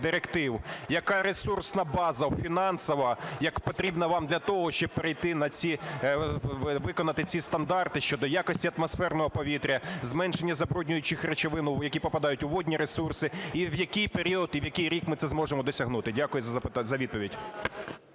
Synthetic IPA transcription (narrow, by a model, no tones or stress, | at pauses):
d̪ɪɾekt̪ɪwjɐkɑɾesursnɐbɑzɐwfʲinɑnsɔʋɐjɐkpɔt̪ɾʲibnɐʋɑmd̪lʲɐt̪ɔɦɔʃt͡ʃɔb̚peɾejt̪ɪnɐt͡sʲi | ʋɪkɔnɐt̪ɪt͡sʲist̪ɐnd̪ɑrt̪ɪʃt͡ʃɔd̪ɔjakɔsʲtʲiɐt̪mɔsfɛrnɔɦɔpɔʋʲit̪ɾʲɐzmɛnʃenʲːɐzɐbɾɔdʲnʲʊjʊt͡ʃɪxret͡ʃeʋɪnʊwjɐkʲipɔpɐd̪ɑjʊtʲʊʋɔdʲnʲiɾesursɪiwjɐkɪjpeɾʲiɔd̪iwjɐkɪjɾʲikmɪt̪sɛzmɔʒemɔd̪ɔsʲɐɦnut̪ɪdʲakʊjʊzɐɐpzɐʋʲid̪̚pɔʋʲidʲ